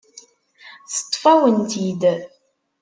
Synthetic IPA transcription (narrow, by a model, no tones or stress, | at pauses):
θə̥t̪ˤːfæwənt̪id̪